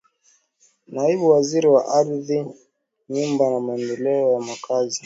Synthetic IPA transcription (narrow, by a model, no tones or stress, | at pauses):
naiɓuwaziɾiwaʔaɾði | ɲumbanamaɛndɛlɛɔjamakazi